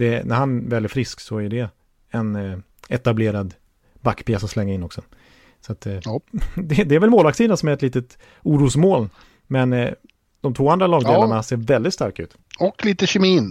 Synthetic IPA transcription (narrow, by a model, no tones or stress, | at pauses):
d̪ɛnæɾhanvɛːlːæɾfɾɪsksɔæjʉɖ̪ɛ | ɛn | ɛt̪ableːɾad̪ | bakːpʰeːsɔslɛŋːaɪnːɔksɔ | sat̪ | d̪ɛd̪ɛæɾvɛlmoːlvaksiːd̪ansɔmæɾɛt̪liːt̪ət̪ | uːɾuːsmoːl | mɛn | d̪̥ɔmt̪ʰvoːand̪ɾalɑːɡd̪eːlanɳaseːɾvɛld̪ɪt̪st̪aɾkaʉ̟ːt̪ | ɔkliːt̪əɕɛmiːn